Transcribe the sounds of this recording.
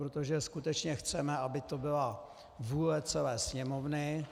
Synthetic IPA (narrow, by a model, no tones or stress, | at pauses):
ɾot̪oʒɛskut̪ɛt͡ʃɲɛxt͡sɛmɛʔabɪt̪o̞bɪla | vuːlɛt͡sɛlɛːsɲɛmovnɪ